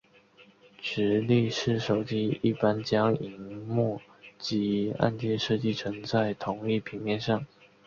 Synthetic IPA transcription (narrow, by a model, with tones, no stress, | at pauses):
ʈ͡ʂɻ̩˧˥li˥˧ʂɻ̩˥˩ʂo˨˩ʊt͡ɕi˥i˥˩pa˥nt͡ɕjɑ˥ŋi˧˨˩ŋmwɔ˥˩ | t͡ɕi˧˥a̰˥˧nt͡ɕjɛ˥˧nʂɤ˥˧t͡ɕi˥˩t͡sʰɤ˧˥ŋt͡sa˥˩ɪt̪ʰʊ˧˥˦ŋi˥˩pʰi˧˥ŋpjɛ˥˧nʂɑ˥˩ŋ